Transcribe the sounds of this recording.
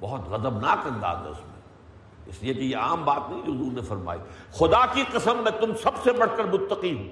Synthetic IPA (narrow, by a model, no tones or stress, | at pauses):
bɔɦɔt̪ɣɐzəbnaːkɐ̃nd̪a̰ːzɛ̰ʊ̰smḛ̃ | ɪ̰sliekejeaːmbaːt̪nɐĩʊzuːɾnẽfɐɾma̰ːḭːxʊd̪aːkiqɐsəmmẽt̪ʊmsɐbsebɐɽ̤kɐɾmʊt̪ːəqiɦũː